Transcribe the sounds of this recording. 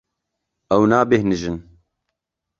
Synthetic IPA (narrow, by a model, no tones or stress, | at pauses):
ɛwnaːbehnɨʒɨn